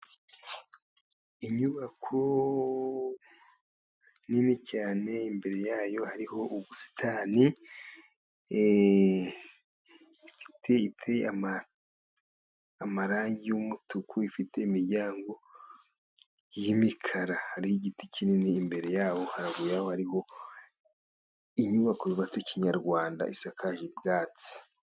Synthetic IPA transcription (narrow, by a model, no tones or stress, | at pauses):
iɲuβakʰo | ninicaːne̞imbe̞ɾe̞jaːjo̞haɾiho̞ʔuβusi̥tʰaːni | ifi̥tʰe̞itʰe̞ama | maɾaːɲɟijumutʰukʰuifitʰe̞imiɾɟaːŋɡo̞ | jimikʰaɾahaɾihiɟitikʰininiːmbe̞ɾe̞jaːho̞haɾaɡujahohaɾiho̞ | iɲuβakoβiβat͡sekʰiɲaɾɡwaːnda̰ʔisakʰaʒibɡaːt͡si̥